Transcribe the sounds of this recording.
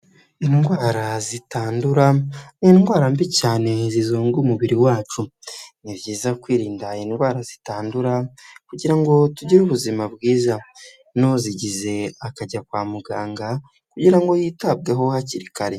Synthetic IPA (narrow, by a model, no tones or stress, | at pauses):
inɡwaːɾazitaːnduɾaninɡwaːɾambicaːne̞zizuːŋɡumuβiɾiwaːt͡ʃuniβjiːzakwiːɾiːndainɡwaːɾazitaːnduɾakuɟiɾaŋɡo̞tuɟiɾuβuzimabɡiːza | noziɟize̞akaɟakwaːmuɡaːŋɡa | kuɟiɾaŋɡo̞jitab̚ɡeɦo̞haciɾikaɾe